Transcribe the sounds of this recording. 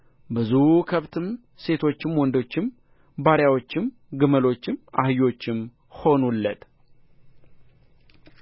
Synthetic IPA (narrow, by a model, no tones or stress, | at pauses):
bɨzukʰəβt̪ʰɨm | se̞t̪ʰo̞t͡ʃːɪmwɔnd̪o̞t͡ʃːɪm | baɾjawot͡ʃːɪm | ɡɨməlo̞t͡ʃːɪmahɨjo̞t͡ʃːɪm | ho̞nulːət̪